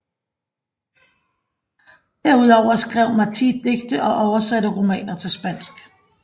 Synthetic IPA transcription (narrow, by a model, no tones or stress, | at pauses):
d̥æɐuð̞ˠɒʊ̰ɐsɡ̥ʁɛʊ̰mɑt͡sʰḭd̥e̝ɡ̥d̥əʔɒ̽ʔɒʊɐsæɾəʁomɛ̰ːnɐt͡sʰe̝lsb̥æn̰sɡ̥